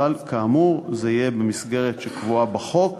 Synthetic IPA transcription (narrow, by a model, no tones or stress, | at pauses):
alkaːmuʁzeijebemisɡe̞ʁetʃekvuabaχo̞k